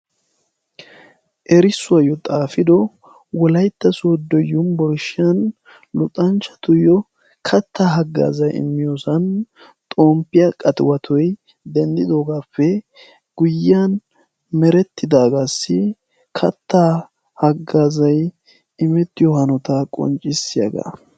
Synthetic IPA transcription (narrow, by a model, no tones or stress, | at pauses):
ʔɛɾɪsːʊɐjɔt̪ʼaːfɪd̪ɔ | wɔlɐjt̪ːɐsoːd̪ːɔjʊnbɔɾʃɪɐn | lʊt̪ʼːɐnt͡ʃːɐ̥t̪ʊjɔ | kʰɐt̪ːaːɦɐɡːa̰ːzɐjɪ̰mːɪjoːsɐn | t̪ʼoːmpːɪjɐkʼɐt̪ɪwɐt̪ʰɔj | d̪ɛnd̪ɪd̪oːɡaːpːɛ | ɡ̥ʊjːɐn | mɛɾɛt̪ʰːɪd̪aːɡaːsːɪ | kʰɐt̪ːa | hɐɡːaːzɐj | ɪmɛt̪ːɪjɔhɐnɔt̪akʼɔ̰nt͡ʃʼːɪsːɪjɐ̰ɡa̰